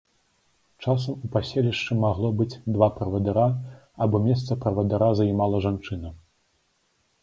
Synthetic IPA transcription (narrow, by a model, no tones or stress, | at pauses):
t͡ʂas̬ɐmupasʲelʲiʂt͡ʂɨmaɣlˠɔbɨd͡zʲd̪vapɾɐvɐd̪aɾa | abɔmʲɛst̪sɐpɾɐvɐd̪aɾazɐjmalˠɐʐant͡ʂɨnɐ